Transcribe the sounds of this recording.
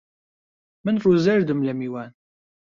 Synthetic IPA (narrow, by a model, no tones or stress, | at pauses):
mənfˤuzæɾd̪əmlæmiwæn